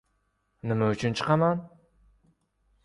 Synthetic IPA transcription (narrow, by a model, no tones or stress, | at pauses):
nɪmɛyt͡ʃʰynt͡ʃʰɨ̥qɑmɑn